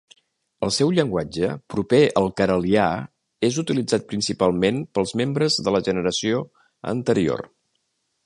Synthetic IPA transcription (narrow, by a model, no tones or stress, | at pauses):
əlˠsɛwʎəŋɡwad͡ʒəpɾupeəlˠkəɾəlia | ezut̪ilid͡zat̪̚pɾinsipalˠmenpəlˠzmembɾəzðələʒənəɾəsio | ə̰nt̪əɾio̰r